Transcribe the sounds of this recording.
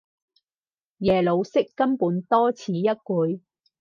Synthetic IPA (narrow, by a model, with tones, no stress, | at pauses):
jɛː˨˩lo˨˧wsɪ˥kːɐ˥mpuː˨˧nt̪ɔː˥t͡sʰiː˨˧jɐ˥t̚kuː˨˧j